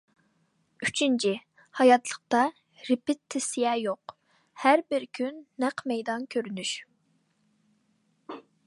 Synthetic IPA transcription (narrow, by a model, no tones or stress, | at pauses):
yt͡ʃʰint͡ʃʰi | hɑjɑt̪lˠəq̚t̪ɑ | ɾɪpɪt̪ʰːɪsijɛjoq | hæɾbɪɾkʲʰynːæqmɛjd̪ɑnkʲʰøɾynyʃ